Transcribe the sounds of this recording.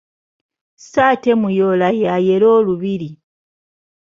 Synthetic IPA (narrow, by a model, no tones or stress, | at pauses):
saːte̞mujolajaje̞loːluβiɾi